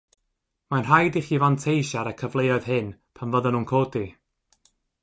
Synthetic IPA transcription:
manrajdɪχivantʰejʃaɾəkʰəvlˠejɔɨð̥ɦɪnpʰanvəðənunkʰoːdi

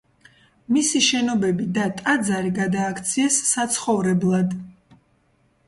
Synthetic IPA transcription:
misiʃɛnɔbɛbid̪at̪ʼad̪zaɾiɡad̪aːkʰt̪sʰiɛsːat̪sʰχɔvɾɛblˠad̪

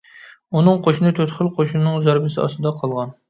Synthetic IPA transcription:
unɨŋqʰoʃnɨt̪ʰøt̪χəlˠqʰoʃunɨŋzæɾbɪsɪɑ̰st̪ɨd̪ɑqʰɑlˠʁɑn

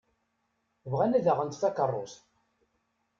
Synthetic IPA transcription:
vʁænæðəʁənt̪fækərˤːos

